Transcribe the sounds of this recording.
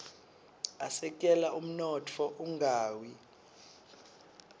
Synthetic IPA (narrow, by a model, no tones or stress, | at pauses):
asɛk̬ʼɛlaʔum̩nɔtʰɔʔuŋɡʱaːwi